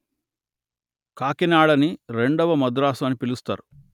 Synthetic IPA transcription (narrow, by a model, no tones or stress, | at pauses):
kaːkinaːɽɐniɾeɳɖɐʋɐmɐd̪uɾaːsaːnːipilust̪a̰ːɾu